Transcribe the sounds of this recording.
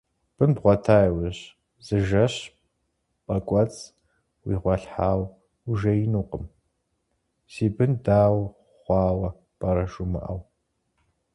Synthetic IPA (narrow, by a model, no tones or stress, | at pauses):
b̥ɨnbʁʷɔtʰaːjwɪɕ | z̥ɨʒɐɕ | pʼɐkʷʼɔt͡sʼ | wiːʁʷɔɬħaːw | uʒɐjinuːqʼəm | siːbɨndaːw | χʷɑːwɐ | b̥ɐɾɐʒumɐ̰ʔɐw